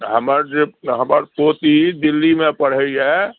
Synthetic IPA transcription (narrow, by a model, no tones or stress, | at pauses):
ɦəməɾd͡ʒeɦəməɾpot̪id̪ilːimẽpəɽ̤əjɦɛ